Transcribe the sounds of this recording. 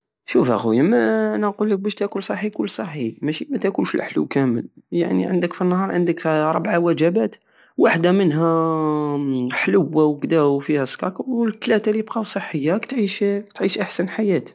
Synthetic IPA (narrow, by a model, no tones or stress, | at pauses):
ʃufhæ̰ɣʊjəmænæqulːək̚bæʃt̪ækulsˤɑħːikʊlːsˤɑħimæʃimæt̪ækunʃəlʔħlṵwkæmə̰lja̰ʕnḭʕə̰nd̪əkfinːhɑɾˤʕənd̪əkɾˤə̰bʕawæd͡ʒæbæt̪ | waħd̪amənɦæ | ħləwːawkd̪æufihæskɑkwt̪ːlæt̪alibqɑwsˤəħːəjːakt̪ʕiʃkt̪ʕiʃʔaħsænħajæt̪